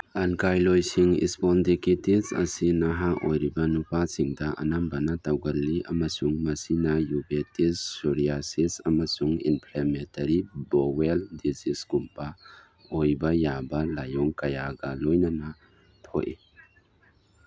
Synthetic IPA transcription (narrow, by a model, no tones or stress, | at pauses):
ɐnkajlojsiŋḭspɔndikitisɐ̰sinaɦaʔojɾibɐnupasiŋdɐʔɐ̰nambɐnatawɡɐlːiʔɐ̰mɐsuŋmɐsinɐjubetissuɾiasisɐmɐsuŋḭnpʰlementɐɾiboweldiziskumpa | ojbɐjabɐlajɔŋkɐjaɡɐlojnɐnɐ | tʰo̰ʔi